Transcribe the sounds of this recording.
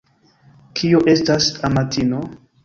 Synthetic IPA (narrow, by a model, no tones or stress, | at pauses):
kʰioʔe̞stasamatino